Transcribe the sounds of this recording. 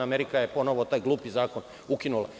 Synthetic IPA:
aːmeɾikajepo̞noʋo̞t̪aːjɡlˠuːpizaːko̞n | ukinula̰

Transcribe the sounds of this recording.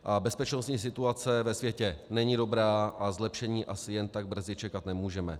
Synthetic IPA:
ʔabɛspɛt͡ʃnost̪ɲiːs̬ɪt̪uat͡sɛvɛsvjɛcɛnɛɲido̞bɾaːʔazlɛpʃɛɲiːʔasɪjɛnt̪aɡ̚br̩zɪt͡ʃɛkat̪nɛmuːʒɛmɛ

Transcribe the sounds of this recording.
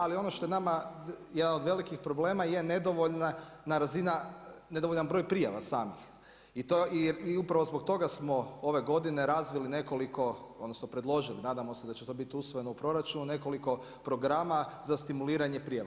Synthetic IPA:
alio̞no̞ʃt̪o̞jenamajed̪anod̪ʋe̞likixpɾo̞ble̞ːmaje̞ned̪oʋoʎnanaɾazinaned̪oʋoʎanbɾo̞jpɾijaʋa̰saːmix | it̪oiiupɾaʋo̞zbo̞ɡ̚t̪o̞ɡasmo̞o̞ʋe̞ɡo̞d̪ineɾazʋiline̞ko̞likʰo̞od̪nosnopɾed̪lˠo̞ʒilinaːd̪amo̞sed̪at͡ɕet̪o̞ːbit̪iusʋoje̞noupɾo̞ɾat͡ʃunune̞ko̞liko̞ | pɾo̞ɡɾamazast̪imuliːɾaɲepɾijaʋa

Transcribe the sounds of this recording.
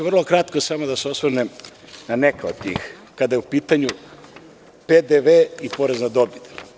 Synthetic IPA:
ʋrlˠo̞kɾat̪kosamod̪aseosʋəɾnem | nanekaod̪̚t̪ḭːx | kad̪ajeupiːt̪aɲu | ped̪eʋeːipo̞ɾeznad̪o̞bid̪

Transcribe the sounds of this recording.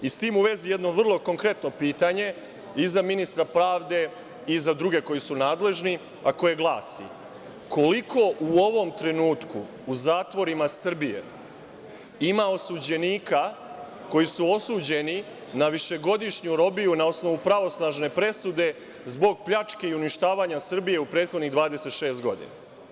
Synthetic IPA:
ist̪iːmuʋe̞zije̞d̪no̞ʋr̩lˠo̞ko̞ŋkɾe̞t̪no̞piːt̪aɲe̞ | izaminist̪ɾapɾaːʋd̪e̞ | izad̪ɾuɡe̞ko̞jisunaːd̪le̞ʒni | ako̞je̞ɡlˠaːsḭ | ko̞likʰo̞ʔuo̞ʋo̞mt̪ɾe̞nuːt̪kṵː | zaːt̪ʋo̞ɾimasr̩bije̞̰ | imao̞sud͡ʑe̞niːka | ko̞jisuo̞suːd͡ʑe̞ni | naʋiʃe̞ɡo̞d̪iʃɲuɾo̞bijunao̞sno̞ʋupɾaʋo̞snaʒne̞pɾe̞sud̪e̞ | zbo̞ɡ̚pʎat͡ʃke̞iuniʃt̪aːʋaɲasr̩bije̞upɾe̞ːt̪xo̞d̪niɣd̪ʋaːd̪e̞set̪ʃe̞ːst̪ɡo̞̰d̪ḭna

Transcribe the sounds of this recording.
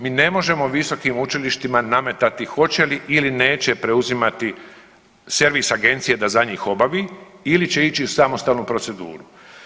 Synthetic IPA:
miːne̞mo̞ʒe̞mo̞ʋiso̞kimut͡ʃiliʃt̪imaname̞t̪at̪ixo̞t͡ɕe̞liʔiline̞ːt͡ɕe̞pɾe̞uzimat̪i | se̞ɾʋisaɡe̞nt̪sijed̪azaɲiːxo̞baʋiːilit͡ɕe̞it͡ɕiusamo̞st̪aːlnupɾo̞tse̞d̪ṵːɾu

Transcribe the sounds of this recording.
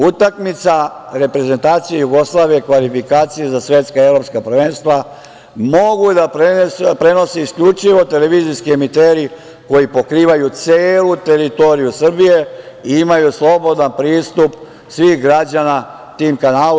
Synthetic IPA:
ut̪akmit̪saɾe̞pɾe̞ze̞nt̪aːt̪sijejuɡo̞slˠaʋijekʋalifikaːt̪sijezasʋe̞t̪skae̞ʋɾo̞pskapr̩ʋeːnst̪ʋa | mo̞ɡud̪apɾespɾe̞no̞seiskʎut͡ʃiʋo̞t̪e̞leʋiːziskie̞mit̪eːɾi | ko̞jipo̞kɾiːʋajut̪seːlut̪e̞ɾit̪o̞ɾijusr̩bije̞ | iimajuslˠo̞bo̞d̪anpɾiːst̪up | sʋiːxɡɾad͡ʑana | t̪iːmkanaːl

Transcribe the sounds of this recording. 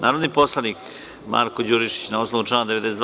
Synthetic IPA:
nʔaːɾod̪niposlˠanik | mʔa̰ːɾkod͡ʑuɾiʃi̥t͡ɕnaosnoʋuʈ͡ʂlaːnad̪eʋed̪esed̪

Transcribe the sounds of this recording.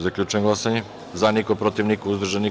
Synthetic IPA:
zakʎʲut͡ʃenɡlˠasaɲe | zanikopɾot̪iʋnikuuzd̪r̩ʒani

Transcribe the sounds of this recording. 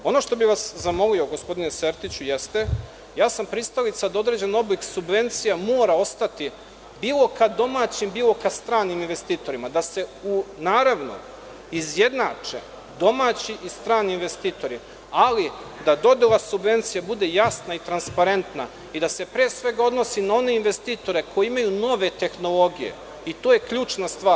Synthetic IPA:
o̞no̞ʃt̪o̞biʋaszamo̞lioɡo̞spo̞d̪ineseɾt̪it͡ɕuje̞st̪e̞ | jaːsampɾist̪alit̪sad̪aod̪ɾe̞d͡ʑe̞no̞bliksubʋe̞nt̪sijamoːɾao̞st̪at̪i | biːlˠo̞kad̪o̞maːt͡ɕimbiːlˠo̞kast̪ɾaːniminʋe̞st̪iːt̪o̞ɾimad̪ase̞unaːɾaʋno̰ | izje̞d̪naːt͡ʂḛ | d̪o̞maːt͡ɕiʔist̪ɾaːniːnʋe̞st̪iːt̪o̞ɾi | ali | d̪ad̪o̞d̪elˠasubʋe̞nt̪sijabud̪e̞jasnait̪ɾanspaɾe̞nt̪na̰ | id̪ase̞pɾeːsʋe̞ɡaod̪no̞sinao̞ne̞inʋe̞st̪iːt̪o̞ɾe̞kʰo̞jeimajuno̞ʋe̞t̪e̞xno̞lˠo̞ɡijḛ | it̪oːje̞kʎuːt͡ʃnast̪ʋaːɾ

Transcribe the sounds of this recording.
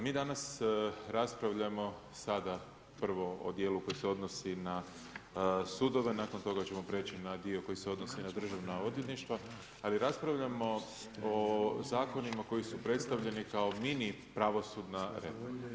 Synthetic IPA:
miːd̪anasɾaspɾaʋʎamo̞ | sad̪a | pr̩ʋo̞o̰d̪je̞ːluko̞jiseo̞d̪no̞sina | sud̪o̞ʋe̞naːko̞nt̪o̞ɡat͡ɕe̞mo̞pɾe̞ːt͡ʃinad̪io̞ko̞jise̞o̞d̪nosinad̪r̩ʒaʋnao̞d̪jet̪niʃt̪ʋa | aliɾaspɾaʋʎamo̞ | ozaːko̞nimako̞jisupɾe̞t̪st̪aʋʎe̞nikao̞mini | pɾaʋo̞sud̪naɾe̞̰foɾma

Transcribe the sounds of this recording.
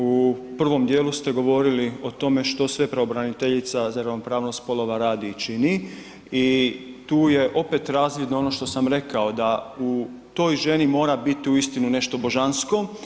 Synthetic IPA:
upr̩ʋo̞md̪jeːlust̪e̞ɡo̞ʋo̞ɾilio̞t̪o̞me̞ʃt̪o̞sʋe̞pɾeobɾanit̪eʎit̪sazaɾaopɾaːʋno̞st̪po̞lˠo̞ʋaɾaːd̪it͡ʃini | it̪uːje̞ʔo̞pe̞t̪ɾaːzlid̪noo̞no̞ʃt̪o̞samɾe̞kao̞d̪au | t̪o̞ːjʒe̞nimo̞ːɾabit̪iuist̪inune̞ʃt̪o̞bo̞ʒansko̞

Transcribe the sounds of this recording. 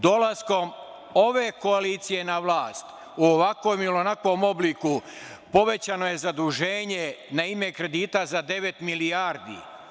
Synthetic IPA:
d̪o̞lasko̞m | o̞ʋe̞ko̞aliːt̪sije̞naʋlˠaːst̪ | uoʋakʋomilonakʋo̞mo̞bliku | po̞ʋe̞t͡ɕano̞je̞zad̪uʒe̞ːɲe̞naime̞kɾe̞d̪iːt̪azad̪e̞ʋe̞t̪miliaɾd̪ḭ

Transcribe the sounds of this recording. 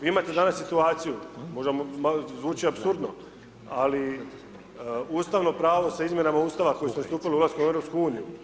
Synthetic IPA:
iimat̪e̞d̪anassit̪uaːt̪sijumo̞ʒemomzʋuːt͡ʃiapsuɾd̪no̞ | ali | uːst̪aʋno̞pɾaːʋo̞saizmje̞namauːst̪aʋako̞jisunast̪uːpiliulˠaskomuevɾo̞pskuuːniju

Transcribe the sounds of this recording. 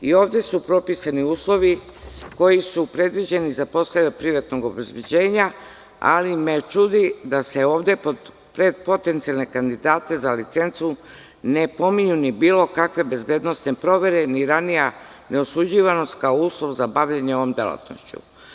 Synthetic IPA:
io̞ːʋd̪e̞supɾo̞pisaniuːslˠo̞ʋi | ko̞jisupɾe̞d̪ʋid͡ʑe̞nizapo̞st̪eʋepɾiʋat̪no̞ɡo̞be̞zbed͡ʑe̞ːɲa | a̰lime̞t͡ʃud̪id̪ase̞o̞ːʋd̪e̞po | pɾed̪po̞t̪e̞nt̪sialˠne̞kand̪id̪aːt̪e̞zalit̪se̞nt̪su | ne̞po̞miɲunibiːlo̞kakʋe̞be̞zbe̞ːd̪no̞st̪ne̞pɾo̞ʋe̞ɾe̞niɾanija | ne̞osud͡ʑiʋano̞st̪̚kaouːslˠo̞ʋzabaʋʎeɲeo̞ʋo̞md̪ela̰t̪no̰ʃt͡ɕṵ

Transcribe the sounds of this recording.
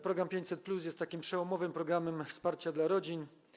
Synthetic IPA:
pɾɔɡɾampʲjeɲt͡ɕ̪ʲsɛt̪̚plus̬jɛst̪ːakʲimpʂɛwɔmɔvɘmpɾɔɡɾamɛmfspaɾt͡ɕad̪laɾɔd͡ʑin

